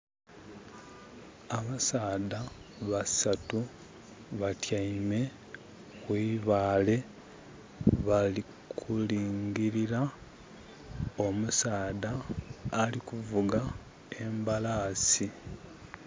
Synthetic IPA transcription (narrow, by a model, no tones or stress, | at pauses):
aβasaːdaβasatu | βatjaime̞ | ɣwiːβaːle̞ | βali | kʰuliːŋɡiɾiɾa | o̞musaːdaː | likuvuɡa | e̞mbalaːsi